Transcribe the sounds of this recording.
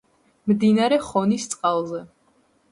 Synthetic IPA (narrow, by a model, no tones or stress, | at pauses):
md̪inaɾɛχɔnist̪sʼqʼalˠzɛ